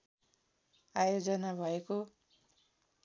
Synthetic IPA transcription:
ajod͡zʌnabʱʌeko

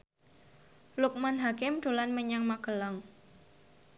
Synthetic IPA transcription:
lʊk̚manɦakɪmɖ̥o̤lanməɲaŋmaɡəlaŋ

